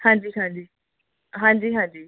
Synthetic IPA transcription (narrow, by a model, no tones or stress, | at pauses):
hãːɲd͡ʒiːɦãːɲd͡ʒiː | ɦãːɲd͡ʒiːɦãːɲd͡ʒiː